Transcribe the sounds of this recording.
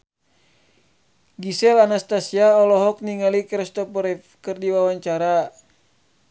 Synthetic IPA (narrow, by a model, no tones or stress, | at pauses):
ɡisɛlanast̪asiaɔlɔɦɔk̚niŋalikɾɛst̪ɔpɔɾɛfkɨrdiwawaɲt͡ʃaɾa